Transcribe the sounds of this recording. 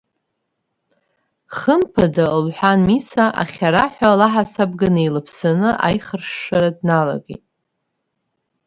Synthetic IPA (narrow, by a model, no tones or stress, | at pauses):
χəmpʰadalħʷanmisaʔa̰χʲaɾaħʷᶣalaħasab̚ɡanɨilɨpʰsanɨʔa̰jχərʂːaɾadnala̰ɡʲḭtʼ